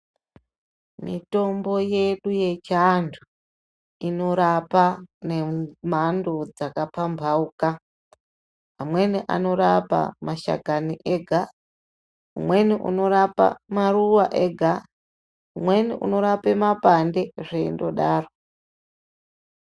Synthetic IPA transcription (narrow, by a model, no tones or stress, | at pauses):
mḭto̞mbo̞je̞ɗuje̞t͡ʃandʰu | ino̞ɾapanemandod͡zakapambʱauka | ɦamwe̞niʔa̰no̞ɾapa̰maʃa̰ɡʱaniʔeɡʱa | umwe̞niʔṵno̞ɾapa̰maruwaʔeɡʱa | umwe̞niʔṵno̞ɾapemapande̞ʐeindo̞ɗaːro